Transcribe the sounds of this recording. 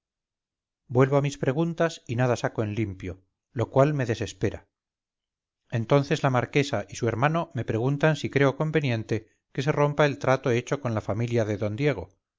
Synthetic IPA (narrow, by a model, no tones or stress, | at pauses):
bwe̞lβo̞amispɾe̞ɣ̞unt̪asinaðasakoe̞nlimpjo̞ | lo̞kwalme̞ðe̞se̞spe̞ɾa | e̞nt̪o̞nθe̞zlamaɾke̞saʔisue̞ɾmano̞me̞pɾe̞ɣunt̪ansikɾe̞o̞ko̞mbe̞njẽ̞nt̪e̞ | ke̞se̞ro̞mpae̞lt̪ɾat̪o̞e̞t͡ʃo̞ko̞nlafamiljaðe̞ðo̞nd̪je̞ɣ̞o̞